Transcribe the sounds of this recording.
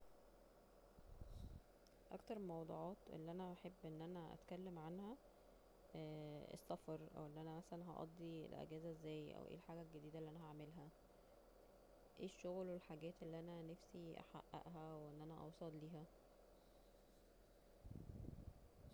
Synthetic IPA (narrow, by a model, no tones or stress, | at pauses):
ʔæ̰kt̪ɑɾˤelmɑwd̪ˤṵːʕɑːt̪ʔḛlːiʔænæʔaħebːʔenːʔænæʔæ̰t̪kælːemʕanhæ | ʔḛsːɑfɑɾˤʔæ̰wʔelːiʔænæmæsælænɦɑ̰ʔɑ̰d̪ˤːiḛlʔḛɡæːzæzːæːjʔæ̰wʔḛːlħaːɡælɡed̪iːd̪ælːiʔænæhaʕmelɦæ | ʔeːʃːoɣlwelħaɡæːt̪ʔelːiːʔænænæfsiʔæ̰ħa̰ʔːæ̰ʔɦæweʔenːʔænæʔɑ̰wsˤɑlliːɦæ